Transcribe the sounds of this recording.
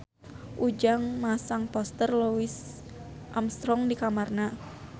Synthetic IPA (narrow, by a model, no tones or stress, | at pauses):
ʔud͡ʒaŋmasaŋpɔst̪ərluwis | ʔamst̪ɾɔŋdikamarna